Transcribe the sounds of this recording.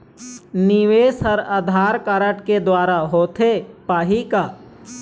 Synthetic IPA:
nɪʋeːsɦəɾad̪ʱaːɾkaːɾəʈked̪waːɾaɦoːt̪ʰepaːɦikaː

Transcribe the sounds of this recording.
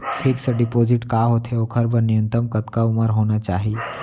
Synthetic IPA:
kʰɪksəɖɪpoːzɪʈkaːɦoːt̪ʰeokʰəɾbənɪjũnt̪əmkɐt̪kaʊməɾɦoːnat͡ʃaːɦi

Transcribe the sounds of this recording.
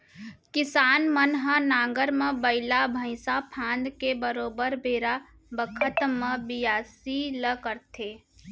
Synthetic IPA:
kɪsaːnmənɦə̃nãːŋɡəɾmə̃bəɪlabʱə̃ɪ̃sapʰãːnd̪kebəɾoːbəɾbʱeːɾa | bəkʰət̪mə̃bijaːsiləkəɾt̪ʰeː

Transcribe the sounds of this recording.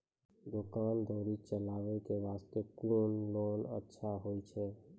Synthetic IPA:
d̪okand̪ʱoɾit͡ʃəlaʋekeʋast̪ekunlonə̰tːʃʰaɦojt͡ʃʰɛ

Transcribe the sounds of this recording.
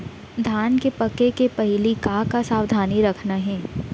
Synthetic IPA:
d̪ʱaːnkepɐkːekepɐɦɪlikaːkasaːwd̪ʱaːniɾɐkʰnaɦɛ̃ː

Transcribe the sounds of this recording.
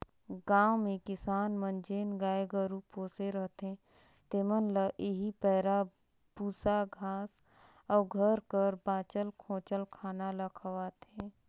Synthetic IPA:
ɡaːwmẽkɪsaːnmə̃nd͡ʒeːnɡaːeɡəɾupoːseɾəɦt̪ɦɛ̃ | t̪eːmənləʔeɦipɛːɾa | b̥uːsaɡʱaːs | ɔːɾɡʱəɾkəɾbaːt͡ʃəlkʰõːt͡ʃəlkʰaːnaləkʰəʋaːt̪ẽː

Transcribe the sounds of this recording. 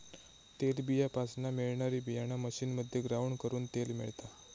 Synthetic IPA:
t̪elbijapasnameɭɳaɾiːbijañaməɕiːnməd̪ʱːjeɡɾaʋɳkəɾuːnt̪elmḭɭt̪a

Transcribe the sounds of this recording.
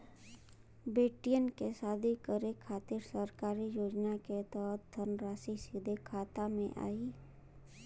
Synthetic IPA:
beːʈijənkesaːd̪ʱikəɾekʰːaːt̪iɾsəɾkaːɾijoːd͡ʒnaket̪ɔːt̪̚d̪ʱəɾnɾaːsisid̪ʱekʰaːt̪amḛ̃ʔa̰ːi

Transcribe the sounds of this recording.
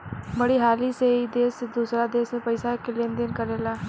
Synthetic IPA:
bəɽiːɦaːliːseːid̪eːsd̪uːsɾaːd̪eːspəɪsaːkɪlend̪ɪnkəɾeːlaː

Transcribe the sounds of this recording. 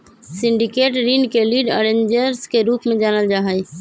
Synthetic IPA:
sɪ̃ɳɖikeːʈɾinkeliːɖəɾẽɲd͡ʒəɾskeɾuːpmẽd͡ʒaːnəld͡ʒaːɦəj

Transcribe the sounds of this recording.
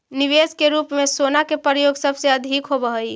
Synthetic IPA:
niʋeskeɾupmesonakepɾəjoɡsəbʱseəd̪ʱikɦobəɦəj

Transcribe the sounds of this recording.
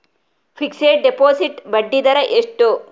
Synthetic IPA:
fʰikseːʈ̚ɖepoːsiʈbɐɖːid̪ɐɾɐʔeʂʈu

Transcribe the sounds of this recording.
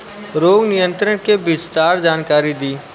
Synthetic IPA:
ɾoːɡnɪjə̃nt̪ɾəɽ̃kebɪst̪aːɾd͡ʒaːnkaːɾid̪iː

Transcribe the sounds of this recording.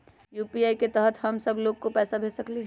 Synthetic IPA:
juːpiaːiket̪əɦət̪ɦɐmsəbʱloːɡ̚kopɛːsabʱeːsəkle

